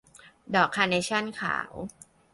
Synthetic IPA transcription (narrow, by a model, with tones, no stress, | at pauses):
dɔː˨˩kʰːaː˧ne˧˥t͡ɕʰa˥˩nkʰa̰ː˩˦w